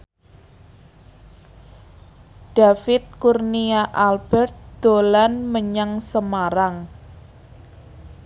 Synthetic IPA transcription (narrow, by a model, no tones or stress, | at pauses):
ɖ̥afɪt̪̚kurniaʔalb̥ɛrt̪̚d̪̥olanməɲaŋsəmaɾaŋ